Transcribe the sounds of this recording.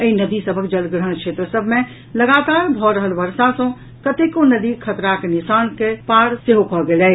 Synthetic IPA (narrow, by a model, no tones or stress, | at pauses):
əinəd̪isəbʱək̚d͡ʒəlɡɾəɳkʃeːt̪ɾəsəbʱmẽ | lɐɡaːt̪aːɾbʱɔɾəɦəlʋəɾsãsõ | kət̪ekonəd̪ikʰət̪ɾakenɪsaːnkepaːɽseɦokɔɡelɛ